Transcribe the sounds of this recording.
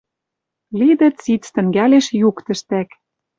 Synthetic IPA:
lid̪ɘ̆t͡sit͡st̪ɘ̆ŋɡæleʃjukt̪ə̆ʃt̪æk

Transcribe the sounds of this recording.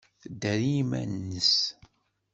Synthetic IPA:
d̪æɾimæ̰nːəs

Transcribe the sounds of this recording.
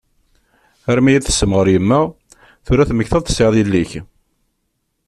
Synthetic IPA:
æɾmijæθə̥səmʁəɾjəmːæ | θuɾæθməçθɑðˤθəseðˤilːiç

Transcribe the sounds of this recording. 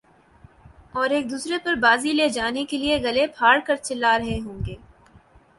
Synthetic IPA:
ɔːɾeːk̚d̪uːsɾepɐɾbaːzileːd͡ʒaːnekelieɡɐlepʰaːɽkɐɾt͡ʃɪlaɾɐɦeɦõːŋɡeː

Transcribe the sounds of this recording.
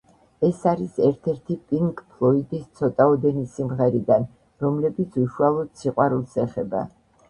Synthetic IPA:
ɛsaɾisɛɾt̪ʰɛɾt̪ʰipʼiŋkʼpʰlˠɔid̪ist̪sʰɔt̪ʼaɔd̪ɛnisimʁɛɾid̪an | ɾɔmlɛbit̪sʰuʃualˠɔd̪̥siqʼwaɾulˠsɛχɛba̰

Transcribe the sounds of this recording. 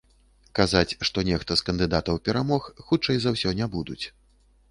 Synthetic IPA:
kazat͡sʲʂt̪ɔnʲɛxt̪ɐskɐnd̪ɨd̪at̪ɐwpʲɛɾamɔxxut͡ʂɐjzawsʲɔnʲɛbud̪ut͡sʲ

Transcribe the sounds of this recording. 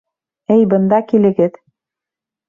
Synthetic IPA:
ɘjbɤ̆nd̪ɑkilɘ̆ɡɘð

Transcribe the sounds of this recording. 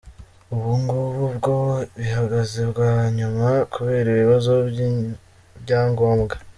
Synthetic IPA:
uβuːŋɡuβuβɡoβihaɡazebɡwaɲumakuβe̞ːɾiβiβazo | βɟaːŋɡo̞ːmɡa

